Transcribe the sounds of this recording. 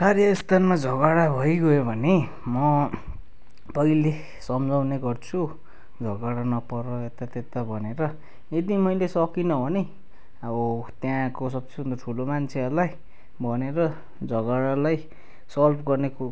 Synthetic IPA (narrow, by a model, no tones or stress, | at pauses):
karjʌist̪ʰanmad͡zʱʌɡaɽabʱʌjɡʌebʱʌne | mʌ | pʌile | sʌmd͡zʱawneɡʌrt͡sʰu | d͡zʱʌɡaɽanʌpʌɾʌet̪at̪et̪abʱʌneɾʌ | ed̪imʌjlesʌkinʌbʱʌne | abʌt̪jãkos̬ʌb̚und̪ʌʈʰulomant͡sʰeʌrlaj | bʱʌneɾʌ | d͡zʱʌɡaɽalaj | sʌlpʰɡʌrneko